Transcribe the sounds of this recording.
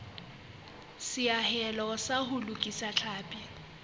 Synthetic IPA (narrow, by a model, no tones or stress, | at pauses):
sɪahɛlɔsahʊlukʼisat͡ɬʰaːpʼɪ